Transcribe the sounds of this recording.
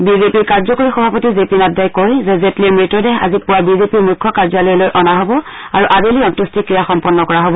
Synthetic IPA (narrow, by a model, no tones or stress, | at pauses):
bizepiɹkaɹzɔkoɹixɔbʱapotizepinadːajkojzɛzetliɛmɹitːɔdɛɦa̰zipʊwabizepiɹmukʰːɔkaɹzalɔjɛlojʔɔnaɦobɔ | aɹuʔadeliɔntustʰikɹijaxɔmpɔnːɔkɔɹaɦobɔ